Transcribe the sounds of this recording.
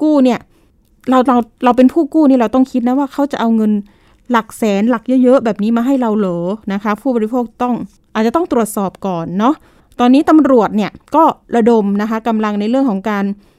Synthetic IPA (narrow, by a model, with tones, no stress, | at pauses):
kuː˥˩ni˥˩ɐ | ɾa˧wɾa˧wɾa˧wp̬e˧npʰuː˥˩kuː˥˩niː˥˩ɾa˧wt̪ɔ˥˩ŋkʰi˦˥t̪̚na˦˥waː˥˩kʰa˦˥wt͡ɕa˨˩ʔa˧wŋɤ˧n | la˨˩k̚sɛː˩˦nla˨˩k̚jɤ˦˥jɤ˦˥ʔbɛː˨˩p̚niː˦˥maː˧ɦa˥˩jɾa˧wlɤː˩˦na˦˥kʰa˦˥pʰuː˥˩bɔː˧ɾi˧˥pʰoː˥˩k̚t̪ɔ˥˩ŋ | ʔaː˨˩t̪̚t͡ɕa˨˩t̪ɔ˥˩ŋt̪ɾu˨˩ət̪̚sɔː˨˩p̚kɔː˨˩nːɔ˦˥ | t̪ɔː˧nːiː˦˥t̪a˧mɾu˨˩ət̪̚ni˥˩ɐkɔː˥˩ɾa˧do˧mna˦˥kʰa˦˥ka˧mla˧ŋna˧jɾɯ˥˩əŋkʰɔː˩˦ŋkaː˧n